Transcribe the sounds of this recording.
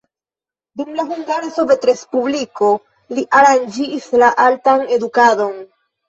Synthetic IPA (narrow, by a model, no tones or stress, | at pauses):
dumlaɦuŋɡaɾeso̞ve̞tɾe̞spubliko̞ | liʔaɾand͡ʒiːslaʔaltane̞dukado̞n